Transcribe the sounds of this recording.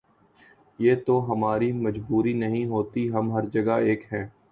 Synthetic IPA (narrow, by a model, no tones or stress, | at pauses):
jeːt̪oɦɐmaːɾimɐd͡ʒbuːɾinɐɦĩɦoːt̪iɦɐmɦɐɾd͡ʒɐɡaeːkɦɛ̃ː